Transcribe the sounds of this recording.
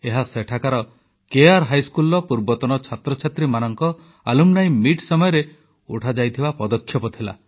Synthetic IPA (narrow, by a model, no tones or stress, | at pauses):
eɦaseʈʰakaɾɔ | keaɾɦajskulɔpuɾbɔt̪ɔñɔt͡ʃʰat̪ɾɔt͡ʃʰat̪ɾimanɔŋkɔ | alumnajmiʈsɔmɔjɔɾe | ṵʈʰad͡ʒajt̪ʰibapɔd̪ɔkʰːjɔpɔt̪ʰila̰